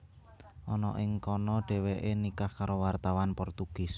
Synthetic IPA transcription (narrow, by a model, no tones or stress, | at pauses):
ʔɔnɔʔɪŋkɔnɔɖ̥ɛ̤weʔenikahkaɾowart̪awanpɔrt̪uɡ̥ɪ̤s